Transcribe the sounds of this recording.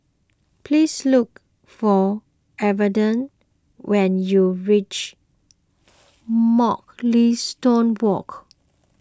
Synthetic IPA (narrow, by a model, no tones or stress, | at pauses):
pʰlisluk̚ | fɔ | ɛvədə̃n | wɛ̃njuɹit͡ʃ | mɔk̚listõnwɔ̰k